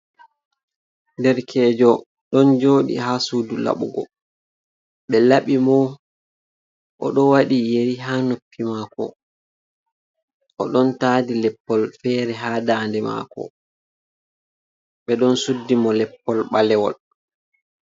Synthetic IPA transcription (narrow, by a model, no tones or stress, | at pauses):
ndɛɾkʰɛːd͡ʒɔ | ɗɔnd͡ʒoːɗḭhasuːdula̰ɓṵɡɔ̰ | ɓɛlaɓimɔ | ʔɔ̰ɗɔwaɗijeɾiɦanopːimaːkɔ̰ | ʔɔɗɔntaːdilɛpːɔlfɛːɾɛɦaːdaːndɛma̰ːkɔ̰ | ɓɛɗɔnsudːimɔlɛpːɔlɓalɛwɔ̰l